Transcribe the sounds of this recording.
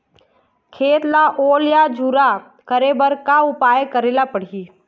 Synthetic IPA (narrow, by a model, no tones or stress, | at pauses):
kʰeːt̪laʔoːljad͡ʒuɾa | kəɾebəɾkaʊpaːjkəɾeːlapəɽ̤i